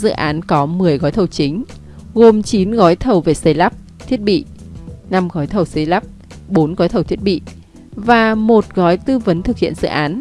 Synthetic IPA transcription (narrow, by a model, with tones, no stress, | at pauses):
zɨ̰˧˨ʔaː˨˦nkɔ˨˦mɨ˨˩əjɣɔː˨˦jt̪ʰə˨˩wt͡ɕï˨˦ŋ̟ | ɣo˨˩mt͡ɕi˨˦nɣɔ˨˦jt̪ʰə˨˩wve˨˩sə˨˦jlaː˦˥p̚ | t̪ʰi˦˥ət̚ɓḭ˧˨na˧mɣɔ˨˦jt̪ʰə˨˩wsə˨˦jlaː˦˥p̚ | ɓo˨˦nɣɔ˨˦jt̪ʰə˨˩wt̪ʰi˦˥ət̚ɓḭ˧˨ʔ | vaː˨˩mo˨˩t̚ɣɔ˨˦jt̪ɨ˧və˨˦nt̪ʰɨ˨˩k̚hḭ˧˨ənzɨ̰˧˨ʔaː˨˦n